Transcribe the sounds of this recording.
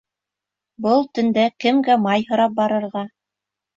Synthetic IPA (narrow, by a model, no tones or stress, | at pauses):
bɤlˠt̪ɵ̆nd̪ækɘ̆mɡæmɑjɦɤ̆ɾɑp̚bɑɾɤ̆ɾʁɑ